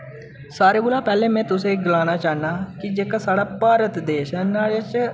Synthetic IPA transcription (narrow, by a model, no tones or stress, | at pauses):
saːɾeːɡʊlaːpɛːlẽːmɛ̃ːt̪ʊsẽːɡəlaːnaːt͡ʃaːnaːkɪd͡ʒeːkaːsaːɽaːpaːɾət̪d̪eːʃɛːnaːɽeːt͡ʃ